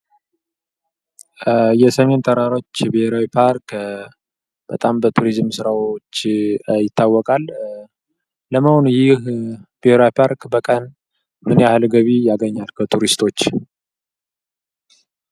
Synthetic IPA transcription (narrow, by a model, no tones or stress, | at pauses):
jɛsəme̞nt̪ʰʼəɾaɾo̞t͡ʃːbiheɾawipʰaɾk | b̥ət̪ʼambət̪ʰuɾizmsɨɾawot͡ʃːjɪt̪ʰːawːɔkʼal | əməho̞nujɪhb̥eheɾaipʰaɾkʼbəkʼən | mɨneahɨlɡəβijaɡəɲːalkʰət̪ʰuɾist̪ʰo̞t͡ʃː